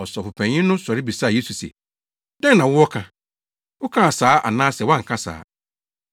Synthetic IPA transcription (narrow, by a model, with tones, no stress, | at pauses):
ɔ˨sɔ˨pʊ˨pʰɛ̃˨ɲɪ̃˦nʊ̃˦sɔ˨ɾɪ˦bi˨sa˦˨je˦su˨sɛ̰˨ | dɛ̃˦ŋnã˨wʊ˦wɔ˦kʰã˨ | ʊ˦kʰã˦a˨saː˨˦ʔa̰˨nãː˦sɛ˨wã˦ŋ̩˨kʰã˦sa̰ː˨˦